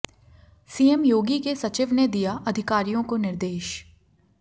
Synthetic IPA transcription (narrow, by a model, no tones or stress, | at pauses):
siːemjoːɡikesɐt͡ʃɪʋned̪ijaʔɐd̪ʱɪkaːɾijõkonɪɾd̪eːʃ